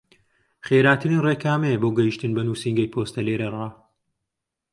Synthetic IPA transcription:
χeːɾaːt̪ʰɨɾinreːkʰaːmeboːɡɐjiʃt̪ɨnbɐnuːsiŋɡɐjpʰoːst̪ɐleːɾɐrˤaː

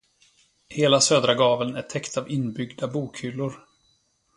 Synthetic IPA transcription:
heːlasøːd̪ɾaɡɑːvəlnæʈʰɛkt̪avɪnːbʏɡd̪abuːkhʏlːʊɾ

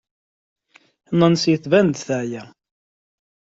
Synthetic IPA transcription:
nənsjəθvænd̪θæʕjæ

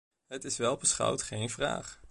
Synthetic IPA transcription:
ɦətɪsʋɛlˠbəsχɑ̰wtχejnvra̰ːχ

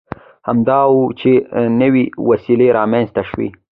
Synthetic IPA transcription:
hamd̪ɑwut͡ʃenəwiwasileɾɑmanzt̪aʃwḭ

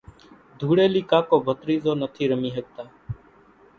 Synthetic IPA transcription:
d̪ʱuːɽeːliːkaːkoːbʱət̪ɾiːzoːnət̪ʰiːɾəmiːɦəɡ̚t̪aː

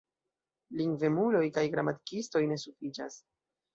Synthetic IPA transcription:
liŋɡve̞mulo̞jkajɡɾamati̥kisto̞jne̞sufid͡ʒas

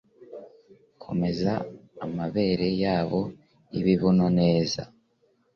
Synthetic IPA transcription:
kʰo̞̰me̞zaːmaβe̞ɾe̞jaːβo̞ | iβiβunone̞ːza̰

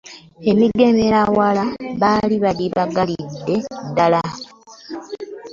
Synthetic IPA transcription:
e̞miɡe̞meɾawalaβaliβaliβaɡalidːe̞dːala

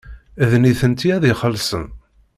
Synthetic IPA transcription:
ðniθənt̪iæðiχəlsən

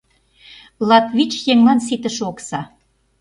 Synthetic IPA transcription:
lɑt̪vit͡ɕjeŋlɑns̬it̪ə̆ʃoksɑ

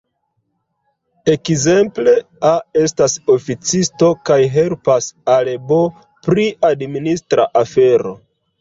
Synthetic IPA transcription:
e̞kze̞mple̞ | ae̞staso̞fit͡sisto̞kajɦe̞lpasalebo | pɾiʔadministɾa̰ʔafe̞ɾo̞̰

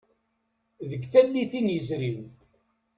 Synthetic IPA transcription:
ðəɡθælːiθinjəzɾiw

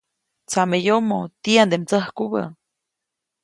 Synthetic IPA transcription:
t͡samejomot̪iand̪emt͡səhkuβə̰

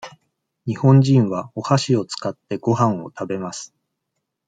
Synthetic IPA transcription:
ɲ̟ihõ̞ɲ̟d͡ʑĩɰ̃βao̞haɕio̞t͡sɨ̥kat̪ːe̞ɡo̞ɦãɰ̃o̞̰t̪abe̞masɨ̥

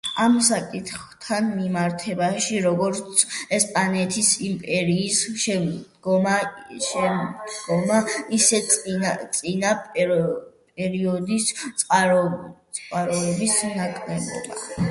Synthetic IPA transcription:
amsakʼit̪ʰχt̪ʰanmimaɾt̪ʰɛbaʃiɾɔɡɔɾt̪sʰɛspʼanɛt̪ʰisimpʼɛɾiːsʃɛd̪ɡɔmaʃɛmd̪ɡɔmaisɛat̪sʼinapʼ | pʼɛɾiɔd̪ist̪sʼqʼaɾt̪sʼqʼaɾɔɛbisnakʼnɛbɔ̰d̪a̰

